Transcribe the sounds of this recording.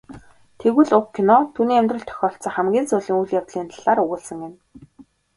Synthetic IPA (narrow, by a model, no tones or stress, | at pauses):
t̪ʰeɣɘ̆ɮʊkʰːinɔt̪ʰuːniːæmʲt̪rə̆ɬt̪ʰœ̥xʲɔːɬt͡sɔːχæmɡʲiːnt͡sʊːɮiːŋujɮjawt̪ɮiːnt̪ʰḁɮ̥aːɾɵɣʊːɮsə̆ŋɪ̆n